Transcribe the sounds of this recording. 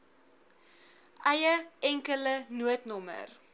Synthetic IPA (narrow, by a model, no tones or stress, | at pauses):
ʔɐjəʔɛŋkələnuətnɔmə̰r